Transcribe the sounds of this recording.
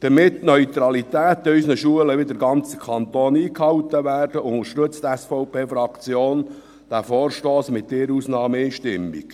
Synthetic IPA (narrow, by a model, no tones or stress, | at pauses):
d̥əmɪt̪ːnœɥt̪ɾɑlit̪æːt̪œsnəʃuələʋɪd̪əɾɡɑnt͡sə̥kʰɑnt̪oːniːkhɑwt̪əʋæːrd̥əʊŋəɾʃtɵt͡st̪ɛsfɔʊpeːfɾɑkt͡sjoːn | d̥æfoːrʃtoːsmɪt̪̚dɪːɾuːsnɑːməiːʃtɪmːḭk